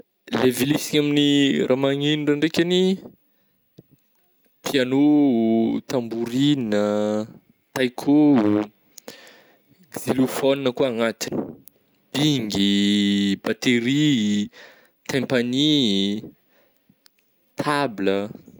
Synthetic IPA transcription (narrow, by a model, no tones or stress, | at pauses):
levilisiɲaminirʔamaŋiniɖ͡ʐaɳɖ͡ʐekʲani | pʰiano | t̪ambuɾinə | t̪ajkʰo | z̥ilufoninəkuaŋat̪i̥ni̥ | b̥iŋɡi | bat̪eɾi | t̪ʰempani | t̪ʰablə